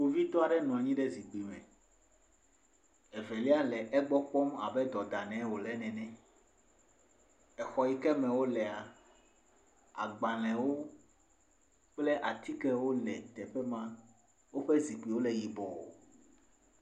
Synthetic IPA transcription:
wo˦vi˦t̪ɔ˦a˨ɖɛ˦nũ˨a˨ɲĩ˦ɖɛ˦zi˨k͡pi˨mɛ̰̃˨ | ɛ˨vɛ˨li˦a˦lɛ˨ʔɛ˦ɡ͡bɔ˦k͡pɔ˦ma̰˨bɛ˦d̪ɔ˨d̪a˨nɛ̃˨˦wo˨lɛ˦nɛ̃˨nɛ̃˦ | ɛ˨xɔ˨ji˦kɛ˦mɛ̃˨wo˦lɛ˨a˨ | a̰˨ɡ͡ba˨lɛ̃˨wo˦ | k͡plɛ˦ʔa˨t̪i˦kɛ˦wo˦lɛ̰˨t̪ɛ˨ɸɛ˦mã˦ | wo˦ɸɛ˦zi˨k͡pi˨wo˦lɛ˨ji˨bɔ˨o̰˨

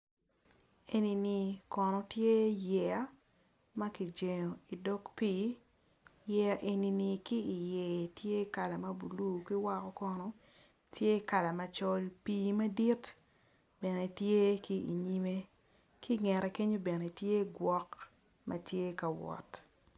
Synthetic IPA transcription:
e˨ni˨ni˨kɔ˨nɔ˨tje˦jɛ˨a˦ | mɐ˦ki˨d͡ʒe˨ɲo˨i˨dɔ˦kpiː˦ | jɛ˦a˦˨ʔe˨ni˨ni˨kiː˦˨je˨tje˦ka˨la˨mɐ˦bu˨lu˦ki˦wa˦kɔ˦kɔ˦nɔ˨ | tje˦ka˨la˨mɐ˨t͡ʃɔ˦lpiː˦mɐ˦di˦t | bɛ˨ne˨tje˦ki˦ḭ˨ɲi˦me˦ | ki˦ŋɛ˨ɾɛ˨ke˦ɲo˦bɛ˨ne˨tje˦ɡwɔ˦k | mɐ˦tje˦ka˨wɔ̰˨t

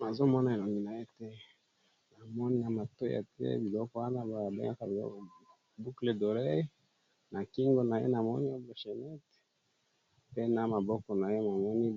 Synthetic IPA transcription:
na˨zo˦mɔ˦na˦e˨lo˨ŋɡi˦na˨je˦tɛ˦ | na˨mɔ˦ni˦a˨ma˨to˦ja̰˨tɛ̰˦bi˨lɔ˦kɔ˦wa˦na˦bo˨a˨be˦ŋa˦ka˨b | bu˦kle˨do˨le˦ | na˨ki˦ŋɡo˦na˨jḛ˦na˨mɔ˦ni˦o˦blo˨ʃe˨nɛ˦t | pe˦na˦ma˨bɔ˦kɔ˨na˨je˦ma˨mɔ˦ni˦

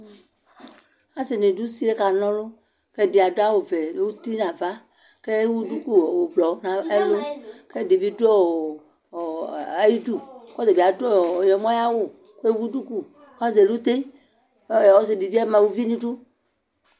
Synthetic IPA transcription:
a˨se˨nẽ˨du˦si˦e˦ka˨nɔ̃˦lo˦ | ke˦de˨a˨do˦a˦wo˨ve˨wu˦t̪i˦nã˨va˦ | ke˦wu˦du˦ku˦˨wo˨blɔ˨˦nã˨e˦lo˦ke˦di˨bi˦do˦˨ | a˦ji˦du˦kɔ˦ze˨bi˨a˨do˦˨jɔ˨mɔ̃˦ja˦wo˦ | ko˦e˦wu˦du˦ku˦˨ | ka˦ze˨lu˦t̪e˦˨ | wo˦ze˨di˨bi˦e˦mã˨wu˦vi˦nĩ˦ɖu˦

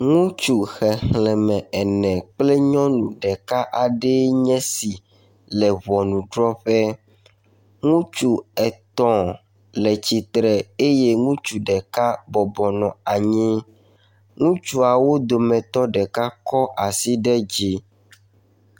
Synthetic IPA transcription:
ŋũ˦t͡ʃu˨xɛ˨hlɛ̃˨mɛ̃˨ɛ˨nɛ̃˨k͡ple˦ɲɔ̃˦nũ˨ɖɛ˨ka˦ʔa˨ɖe˦ɲɛ̃˦si˨ | lɛ˨βɔ˨nũ˨ɖɾɔ˦ɸɛ˦ | ŋũ˦t͡ʃu˨ɛ˨t̪ɔ̃˨ | lɛ˨t͡ɕi˨t̪ɾɛ˨e˦je˦ŋũ˦t͡ʃu˨ɖɛ˨ka˦bɔ˨bɔ˨nɔ̃˨a˨ɲĩ˦ | ŋũ˦t͡ʃu˦a˨wo˦d̪o˨mɛ̃˨t̪ɔ˦ɖɛ˨ka˦kɔ˦ʔa˨si˦ɖɛ˦d͡ʑi˦

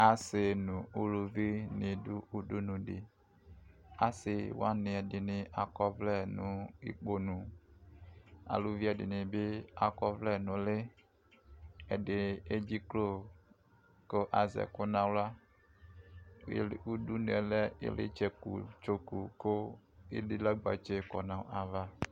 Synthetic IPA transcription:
a˨se˨nũ˨u˦lu˨vi˦nẽ˨du˦u˦du˦nũ˨dɪ̰˨ | a˨sɪ˨wa˦nɪ˨a˨dɪ˨nɪ˨ʔa˨kɔ˦vlɛ˦nũ˨ḭ˦k͡po˦nũ˨ | a̰˨lu˦vi˦a˨dɪ̰˨nɪ̃˨be˦a˨kɔ˦vlɛ˦˨nũ˨le˦ | e˨de˨e˦d͡ʒi˦klo˦ | ko˦ʔa˨zɛ̰˨ko˦nã˦wla˦˨ | u˦du˦n˨ɛ˨lɛ˦ḛ˦lḛ˦t͡ʃɛ˦kṵ˨t͡ʃo˨ku˨ko˦e˦di˦la˦ɡ͡ba̰˨t͡ʃe˦kɔ˨nã˨ʔa˨va˦

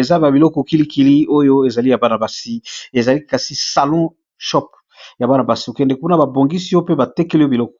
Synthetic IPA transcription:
e˨za˦ba˨bi˨lɔ˦kɔ˨ki˦li˦ki˦li˦o˦jo˦e˨za˨li˦ja˨ba˦na˨ba˨si˦e˨za˨li˦ka˨si˦sa˨lɔ̃˦ | ʃɔ˦p | ja˨ba˦na˨ba˨si˦o˨kɛ˨ndɛ˨ku˦na˨ba˨bo˨ŋɡi˦si˦jo˦pe˦ba˨tɛ˦kɛ˦le˦o˦bi˨lɔ˦kɔ̥˨

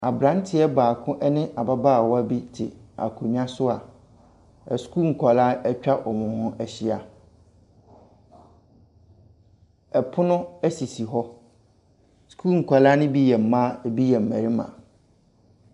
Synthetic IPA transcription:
a˨bɾã˨˦n˦tʰɪ˦ɛ˦baː˨kʰʊ̃˦ʔɛ˦nɪ̃˦ʔa˨ba˦ba˦˨wɔ˦a˦bi˦tʰɪ̰˨a̰˨kʰʊ˨ɲã˦sʊ˦a˨ | ɛ˨skʰu˦˨ŋ̩˨kʰʷa˨la˦ɛ˦t͡ɕᶣa˦ʔɔ˨mʊ̃˨ʊ̃˨hʊ̃˦æ˨ɕɪ˦a˨ | ɛ˨pʰʊ˦nʊ̃˦æ˦si˨si˨ɦɔ˦ | skʰuː˦˨ŋ̩˨kʰʷa˨la˦nʊ̃˦bi˦jɛ˨m̩˨˦mã˦˨bi˦jɛ˨m̩˨mæ̰˨ɾi˦mã̰˨

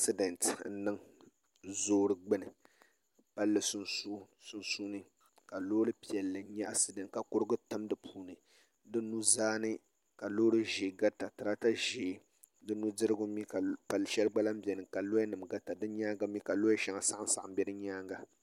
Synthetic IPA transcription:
a˦sɨ˦dɛ˨ntn̩˦nɨ˦ŋ | zoː˦ɾɨ˨ɡ͡bɨ˦nɨ˨ | pa˦lːɨ˨sʊ˦nsu˦ | sʊ˦nsu˦nɨ˦ | ka˨loː˦ɾɨ˦pi˨ɛ˨lːɨ˨˦ɲɛ˦ʔa˦sɨ˦dɛ˨ntka˨kʊ˦ɾɨ˦ɡɨ˦tɨ˦mdɨ˨pʰuː˦nɨ˨ | dɨ˦nu˦zaː˦nɨ˦ | ka˨loː˦ɾɨ˦ʒeː˨ɡa˦ta˨tɨ˨ɾa˦ta˦ʒeː˨ | dɨ˦nu˦dɨ˦ɾɨ˦ɡʊ˦mi˦ka˨pa˨lːɨ˨ʃɛ˦lɡ͡ba˦la˦m˦bɛ˨nɨ˨ka˨lo˦a˦nɨ˨mɡa˦ta˨dɨ˦ɲaː˦ɡa˦mi˦ka˨loː˦ʃa˦ŋa˨sa˦ʔa˦n˦sa˨ʔm̩˦bɛ˦dɨ˦ɲaː˦ŋɡa˦

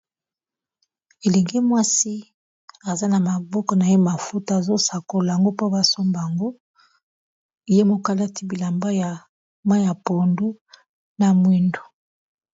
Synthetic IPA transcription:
e˨le˨ŋɡe˦mwa˦si˦ | a˨za˦na˨ma˨bɔ˦kɔ˨na˨je˦ma˨fu˦ta˦a˨zo˦sa˨ko˨la˨a˨ŋɡo˦po˦ba˦so˦mba˨a˨ŋɡo˦˨ | je˦mo˨ka˦la˦ti˦bi˨la˨mba˦ja˨ | ma˦ja˨po˨ndu˦ | na˨mwe˦ndo̥˨

